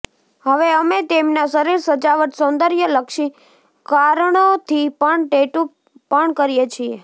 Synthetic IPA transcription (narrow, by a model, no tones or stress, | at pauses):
ɦəʋeəmet̪emnasəɾiɾsəd͡ʒaʋət̪sõnd̪əɾjələkʃi | kaɾɳot̪ʰipəɳʈeʈu | pəɳkəɾijet͡ʃʰie